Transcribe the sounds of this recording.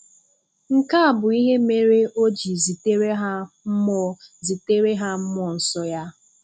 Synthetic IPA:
ŋ̩˨ka˦a˨bʊ˨i˦ɦe˦me˦ɾe˦ʔo˦d͡ʒi˨zi˨te˦ɾe˦ɦa˦m̩˦mɔ˦zi˨te˦ɾe˦ɦa˦m̩˦mɔ˨n̩˨sɔ˦ja˦

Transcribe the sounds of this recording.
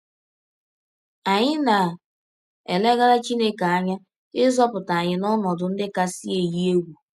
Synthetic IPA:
a˨ɲɪ˦na˨ | e˨le˦ɣa˦ɾa˦t͡ʃi˦ne˦ka˨a˦ɲa˦ | ɪ˦zɔ˦pʊ˨ta˨a˨ɲɪ˨nɔ˦nɔ˨dʊ˨n̩˦dɪ˦ka˦si˦e˨ji˦e˦ɡʷu˨

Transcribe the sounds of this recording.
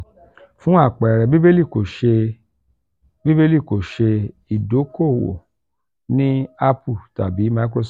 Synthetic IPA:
fũ˦a˦˨k͡pɛ˨ɾɛ˨bi˦be˦li˦˨ko˨ʃe˧ | bi˦be˦li˦˨ko˨ʃe˧ | i˨do˨˦ko˦˨wo̰˨ | nĩ˦a˦pu˦˨ta˨bi˨˦ma˧i˦kɾo˧s

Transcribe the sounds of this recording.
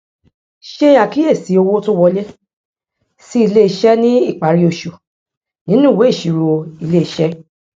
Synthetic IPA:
ʃe˦a˨ki˦e˦˨si˨˦o˧wo˦to˦wɔ˧le˦ | si˦i˧le˦i˧ʃɛ˦nĩ˦i˦˨k͡pa˨ɾi˦o˧˨ʃo˨ | nĩ˨˦nũ˦˨we˨˦i˦˨ʃi˨ɾo˧i˧le˦i˨ʃɛ˦

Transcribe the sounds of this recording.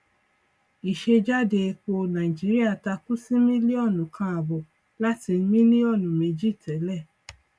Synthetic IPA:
i˨ʃe˧d͡ʒa˦de˨˧ko˧nã˨i˨d͡ʒi˦ɾi˦a˦˨ta˧ku˦si˦mĩ˦li˦ɔ˦˨nũ˨kʰã˧a˨bo˨ | la˦ti˧n̩˦mĩ˦nĩ˦ɔ˦˨nũ˨me˨d͡ʒi˦tɛ˨˦lɛ˦˨

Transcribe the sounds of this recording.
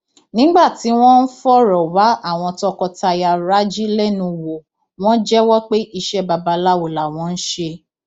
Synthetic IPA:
nĩ˨˦ɡ͡ba˦˨ti˨˦w̃ɔ̃˦n̩˦fɔ˦ɾɔ˨wa˨˦a˦˨w̃ɔ̃˧tɔ˧kɔ˧ta˧ja˧ɾa˦d͡ʒi˦lɛ˦˨nũ˧˨wo˨ | w̃ɔ̃˦d͡ʒɛ˦wɔ˦k͡pe˦ʔi˧ʃɛ˦ba˨ba˨˧la˦wo˨la˨w̃ɔ̃˨˦n̩˦ʃe˧

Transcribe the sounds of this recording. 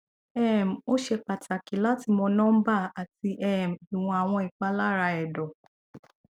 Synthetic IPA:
ɛ˦˨m̩˨o˦ʃe˧k͡pa˨tʰa˨ki˨˦la˦ti˧mɔ˧nɔ̃˦m̩˦ba˦˨a˨ti˧ʔɛ˦˨m̩˨i˨w̃ɔ̃˧a˨w̃ɔ̃˧i˨k͡pa˧˦la˦ɾa˧ɛ˨dɔ˨

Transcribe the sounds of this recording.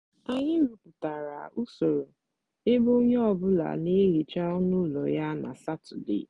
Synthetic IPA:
a˨ɲɪ˦ɾu˨pʊ˨ta˨ɾa̰˨u˦so˨ɾo˨ | e˦bo˦o˦ɲe˦ɔ˨bʊ˦la̰˨ne˦ɾi˨t͡ʃa˦ɔ˦nu˦lɔ˨ja˦na̰˨sa˦tʊ˨dḛ˦˨

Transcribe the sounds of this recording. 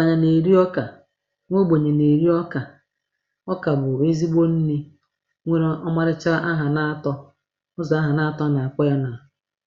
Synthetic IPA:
a˨ɲa˨ne˨ɾi˦ɔ˦ka˨ | ŋʷo˦ɡ͡bo˨ɲe˨ne˨ɾi˦ɔ˦ka˨ | ɔ˦ka˨bʊ˨e˦zi˦ɡ͡bo˦n̩˦ne˦ | ŋʷe˦ɾɔ˦ma˦ɾɪ˦t͡ʃa˦ʔa˦ɦa˨na˦tɔ˦ | ʊ˦zɔ˨a˦ɦa˨na˦a˦tɔ˦na˨a˨kɔ˦ja˦na˨

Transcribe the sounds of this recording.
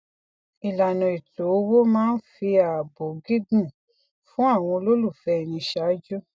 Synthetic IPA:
i˨la˨nɔ̃˨i˨to˨˦wo˦mãː˦n̩˦fi˧a˨bo˨ɡi˦ɡũ˦˨ | fũ˦a˦˨w̃ɔ̃˧lo˦lu˦˨fɛ˦˨nĩ˧ʃa˨˦d͡ʒu˦

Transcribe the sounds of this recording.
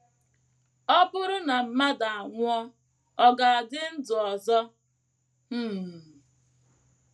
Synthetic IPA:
ɔ˦bʊ˦ɾʊ˦na˨m̩˨ma˦da˨a˨ŋʷʊ˦ɔ˦ | ɔ˦ɡa˨a˨dɪ˦n̩˦d͡zʊ˨ɔ˨zɔ˦ | m̩˦˨

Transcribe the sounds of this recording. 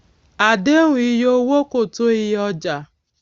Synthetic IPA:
a˨de˦ŋʷ˨i˦ɦo˦wo˦ko˨to˦i˦ɦɔ˦d͡ʒa˨

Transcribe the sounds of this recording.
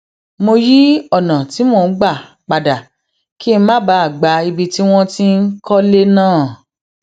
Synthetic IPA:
mo˧ji˦ɔ˦˨nã˨ti˨˦mo˧˨n̩˦ɡ͡ba˦˨ | k͡pa˨da˨ | ki˦mã˦ba˨˦a˦˨ɡ͡ba˨˧i˧bi˧ti˦w̃ɔ̃˦ti˦n̩˦kɔ˦le˦nãː˦˨

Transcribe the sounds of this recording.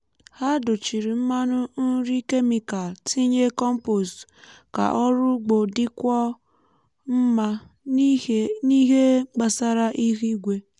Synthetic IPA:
ha˦dʊ˨t͡ʃi˨ɾi˨m̩˦ma˦nʊ˦n̩˦ɾi˦ke˦mi˨ka˨lti˦ɲe˦kɔ˦m̩˦po˨ska̰˨ʔɔ˦ɾʊ˦ɡ͡bo˨dɪ˦kʷɔ˦ | m̩˦ma˦ | ni˦ɦe˦ɡ͡ba˨sa˦ɾa˦ʔi˦ɾi˦ɡʷe˦

